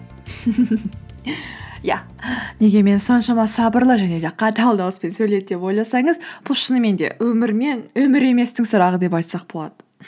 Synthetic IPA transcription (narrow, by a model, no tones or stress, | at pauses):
jæ̰ | ne̞ɡʲe̞me̞nso̞nʃɑmɑsɑbəɾlˠəʒæne̞d̪e̞qʰɑt̪ɑlˠd̪ɑwəspe̞nsɵjle̞d̪d̪e̞po̞jlˠɑsɑɴəzpʰʊʃənəme̞nd̪e̞̰wɵmɪɾme̞nwɵmɪɾe̞me̞st̪ɪŋsʊɾɑʁəd̪e̞p̬ɑjt̪sɑq̚bolˠɑd̪̥ə